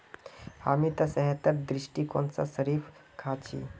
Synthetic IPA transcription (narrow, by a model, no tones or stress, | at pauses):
hamit̪asəɦɛt̪əɾd̪ɾiʂʈiːko̰nt͡sa̰səɾiːf | kʰat͡ɕḭː